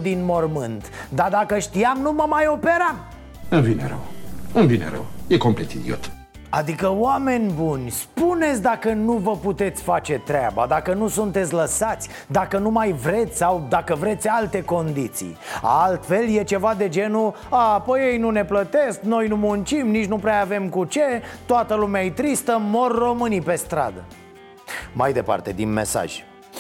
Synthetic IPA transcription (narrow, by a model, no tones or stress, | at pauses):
d̪inmo̞rmɨnt̪d̪ard̪akəʃt̪iamnuməmajo̞pe̞ɾam | ɨnvinḛɾə̰wɨnvinḛɾə̰wjekomplet̪ḭd̪io̰t̪ | a̰d̪ikəwame̞nʲbunʲspune̞t̪sʲd̪akənuvəput̪e̞t̪sʲfat͡ʃe̞t̪ɾea̰ba̰d̪akənusunt̪et̪sʲləsat̪sʲ | d̪akənumajvɾe̞t̪sʲsawd̪akəvɾe̞t̪sʲalt̪e̞ko̞nd̪it̪sḭja̰lt̪fe̞lje̞t͡ʃe̞vad̪e̞d͡ʒe̞nu | aːpojejnune̞plət̪e̞skno̞jnumunt͡ʃimnit͡ʃnupɾeaave̞mkut͡ʃe̞t̪oat̪əlumeaet̪ɾist̪əmo̞rːo̞mɨnipe̞st̪ɾa̰d̪ə̰ | majd̪e̞pa̰rt̪e̞̰d̪ḭnme̞̰sa̰ʒ̥ʲ